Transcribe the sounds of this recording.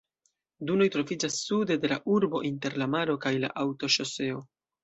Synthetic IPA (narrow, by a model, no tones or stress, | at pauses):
duno̞jtɾo̞vid͡ʒasːude̞de̞la̰ʔuɾbo̞ʔinte̞ɾlamaɾo̞kajla̰ʔawto̞ʃo̞se̞o̞